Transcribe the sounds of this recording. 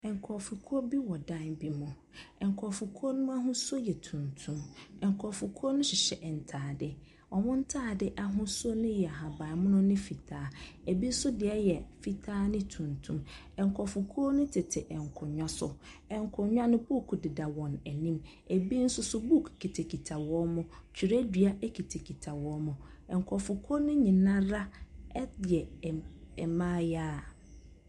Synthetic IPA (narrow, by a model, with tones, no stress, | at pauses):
ɛ˨ŋ̩˨kʰɔ˨fu˨kʰu˦o˦bi˦wɔ˨dã˦˨nbi˦mʊ̃˨ | ɛ˨ŋ˨kʰɔ˨fu˨kʰu˦o˦nʊ̃˦m˦a˦ɦʊ̃˦so˦jɛ˨tʰũ˨ntʰũ˦mɛ̃˨ŋ˨kʰɔ˨fu˨kʰu˦o˦nʊ̃˦ɕɪ˨ɕɛ˨ʔɛ˨n̩˨tʰaː˨dɪ˨ | ɔ˨wʊ̃˦n̩˦tʰaː˦˨dɪ˦ʔa˨ɦʊ̃˦so˦nʊ̃˦jɛ˨a˨ɦa˨ba˨mʊ̃˦nʊ̃˦nɪ̃˦fi˨tʰaː˦e˨bi˦sʊ˦dɪ˨ɛ˦jɛ˨fi˨tʰaː˦nɪ̃˦tʰũ˨ntʰũ˦m | ɛ̃˨ŋ˨kʰɔ˨fʊ˨kʰo˦nʊ̃˦tʰɪ˨tʰɪ˨ʔɛ̃˨ŋ˨kʰʊ˨ɲᶣã˦sʊ̰˨ | ɛ̃˨ŋkʰʊ˨ɲᶣ˦ã˦nʊ̃˦bu˦˨kʰu˨dɪ˨da˨wɔ̃˨nɛ˨nĩ˦m | e˨bi˦n̩˦sʊ˦sʊ˦bu˦kʰkʰi˨tʰe˨kʰi˨tʰa˨wɔ˦mʊ̃˦t͡ɕʰᶣi˨ɾe˦dɥa˦e˦kʰi˨tʰe˨kʰi˨tʰa˨wɔ˦mʊ̃˨ɛ̃˨ŋ˨kʰɔ˨fʊ˨kʰo˦nʊ̃˦ɲĩ˨nã˦ɾa˦ɛ˦dɪ˨ɛ˨ɛ˨mãː˦jaː˦˨